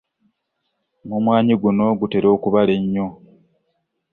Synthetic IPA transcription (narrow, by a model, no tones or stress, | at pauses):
mumwaːɲiɡuno̞ɡute̞ɾo̞ːkuβale̞ɲːo